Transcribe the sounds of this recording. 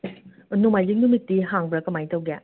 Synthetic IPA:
numajziŋdumitːiɦaŋbɾakɐmajtawɡa

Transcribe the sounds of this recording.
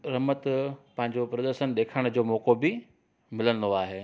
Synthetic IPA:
ɾɐmət̪pɐ̃ɦɪ̃ɲd͡ʑopɾɐd̪əɾʃənɗ̪eːkʰəɽ̃d͡ʑoːmɔːkobɪ | mɪlənɪ̆d̪oaːɦeː

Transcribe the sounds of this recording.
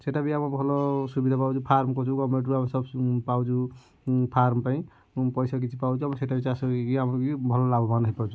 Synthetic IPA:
seʈabiamɔbʱɔlɔsubid̪ʱapawt͡ʃupʰaɾmkɔt͡ʃʰuɡɔmeʈɾuamsɔbpawd͡ʒʰu | pʰaɾmpaĩ | pɔjsak̬it͡ʃʰipawt͡ʃʰuamɔseʈabit͡ʃaskiamɔɾkibʱɔlɔlabɔbandɦipat͡ʃʰu

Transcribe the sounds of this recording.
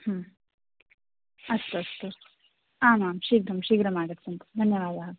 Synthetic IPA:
hɐm | ɐst̪uɐst̪u | aːmaːmʃiːɡɾɐmʃiːɡɾɐmaːɡɐt̪sɐnt̪ɐ̥d̪ʱɐnjɐʋaːd̪a

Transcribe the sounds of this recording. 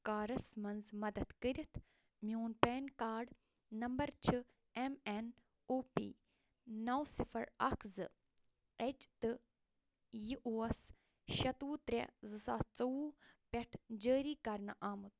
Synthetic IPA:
kaːɾɐsmɐnzmɐd̪ɐd̪kəɾʲit̪ʰ | mʲjoːnpeːnkaːɖ | nɐmbɐɾt͡ʃʰɨ | emen | oːpḭː | nɐwsifʰɐɾɐ̰kʰzɨ | et͡ʃt̪ɨ | jiʔoːɐs | ʃɐt̪uːt̪ɾʲḛzɨsaːt͡sɐuːpʲɐʈʰd͡ʒəːɾiːkɐɾnaʔaːmut̪̚

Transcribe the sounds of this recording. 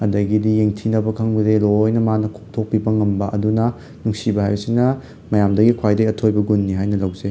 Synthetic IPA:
ɐdɐɡidijeŋtʰinɐbɐkʰɐŋbɐdeɾojnɐmanɐkʰok̚tʰok̚pibɐŋɐmbɐʔɐdunɐ | nuŋsibɐhajbɐsinɐ | mɐjamdɐɡikʰwajdɐiɐtʰojbɐɡunːiɦajnɐlɐwze

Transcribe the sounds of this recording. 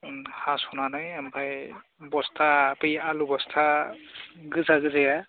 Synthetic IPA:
hashunanajɛmpʰaj | bɔstʰapɯjalubɔstʰa | ɡɯzaɡɯzɯja

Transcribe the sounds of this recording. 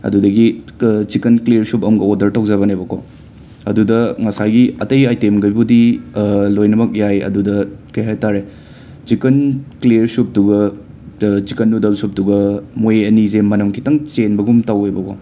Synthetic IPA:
ɐ̰dudɐɡit͡ʃikɐnkliɾsupɐmɡɐodɐɾtɐwzaβɐnebɐko̰ | ɐdudɐŋɐsajɡiɐtɐjajtemɡɐjbudilojnɐmɐk̚jajɐ̰dudɐkɐjɦajtaɾe | t͡ʃikɐnkleɾsup̚duɡɐ | t͡ʃikɐnːudɐsup̚duɡɐmojeɐnizemɐnɐmkʰi̥tɐŋt͡ʃenbɐɡumtɐwejbɐko

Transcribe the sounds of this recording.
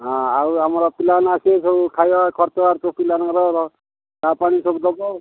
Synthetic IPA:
ɦãawamɔɾɔpilanasesɔbukʰajakʰɔɾt̪ɔaɾt̪ɔpilanɔɾɔɾɔ | d̪apaɽ̃isɔbud̪ɔbɔ

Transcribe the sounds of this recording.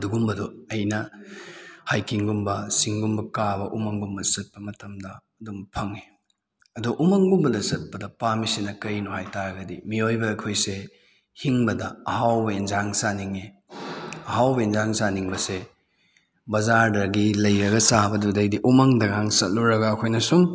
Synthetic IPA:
duɡumbɐdoɐjnɐ | hajkiŋɡumbɐsiŋɡumbɐkabɐʔumɐŋɡumbɐdɐsɐt̚pɐmɐtɐmdɐːdumpʰɐŋe | ɐduɡɐʔumɐŋɡumbɐdɐsɐt̚pɐdɐpamisinɐkɐjnuɦajtaɾɐɡɐdimiojbɐːjkʰojse | hiŋbɐdɐɐhawbɐenzaŋsaniŋe | ɐɦawbenzaŋsaniŋbɐse | bɐzaɾdɐɡilɐjɾɐɡɐsabɐdudɐjdiʔumɐŋdɐɡaŋsɐt̚luɾɐɡɐːkʰojnɐsuŋ

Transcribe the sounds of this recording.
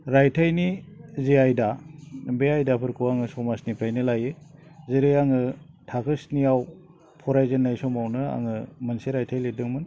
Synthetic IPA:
ɾajtʰajnizeajdabeajdapʰɯɾkʰɯwaŋɯsɔmasnipʰajnɯlajɯ | zeɾɯjaŋɯ | tʰakʰɯsniaw | pʰɔɾajzɯnːajsɔmawnɯa̰ŋɯmɯnseɾajtʰajledɯŋmɯn

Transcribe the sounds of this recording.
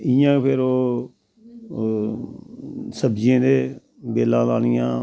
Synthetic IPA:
ɪjãːpʰɪɾoː | səbd͡ʒẽːd̪eː | beːlãːlaːnɪjãː

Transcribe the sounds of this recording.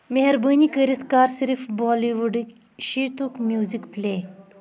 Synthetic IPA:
meɦəɾbənikəɾit̪kaɾsiɾifbɔliʋuɖik | ɕit̪ukmjuzikple

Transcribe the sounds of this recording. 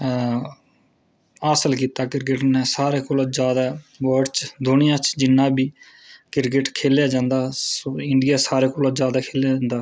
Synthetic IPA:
aːsəlkiːt̪aːkɪɾkɪʈneːsaːɾeːkoːloːd͡ʒjaːd̪aːʋəːɾɖt͡ʃd̪ʱʊnɪjãːt͡ʃd͡ʒɪnːãːbiː | kɪɾk̬ɪʈkʰeːljaːd͡ʒãːnd̪aːsoːɪɳɖɪjaːsaːɾeːkoːloːd͡ʒjaːd̪aːkʰeːljaːd͡ʒãːnd̪aː

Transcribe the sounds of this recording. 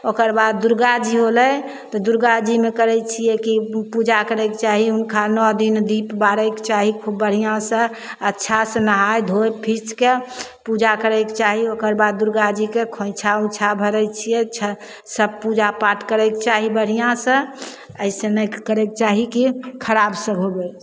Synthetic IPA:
okəɾbad̪̚ːuɾɡad͡ʒiɦolə | t̪ɔd̪uɾɡad͡ʒimekəɾɛt͡ʃʰijekipud͡ʒakəɾɛket͡ʃaɦiunkʰanɔd̪ind̪ipbaɾɛke̥t͡ʃaɦikʰubːəɽ̤ijãsə̃ | ətːʃʰasə̃nəɦajd̪ʱojpʰit͡ʃke | pud͡ʒakəɾɛɪket͡ʃaɦiokəɾbad̪̚ːuɾɡad͡ʒikekʰõjt͡ʃʰaũt͡ʃʰabʱəɾɛt͡ʃʰijɛt͡ʃʰə | səb̚pud͡ʒapaʈkəɾɛket͡ʃaɦibəɽ̤ijãsə̃ | əɪsə̃nəjkəɾɛket͡ʃaɦikikʰəɾabsə̃ɡʱoɡe

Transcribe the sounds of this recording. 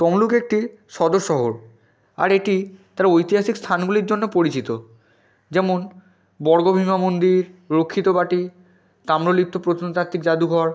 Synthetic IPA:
t̪ɔmlukek̚ʈi | ʃɔd̪oʃːɔɦoɾ | a̰ɾeʈit̪aɾojt̪iɦaʃikst̪ʰanɡuliɾd͡ʑonːopoɾit͡ɕit̪o | d͡ʑɛmon | bɔɾɡobʱimamond̪iɾɾokʰːit̪obaʈi | t̪amɾolitt̪ːopɾot̪ʰont̪at̪ʰikd͡ʑad̪uɡʱɔɾ

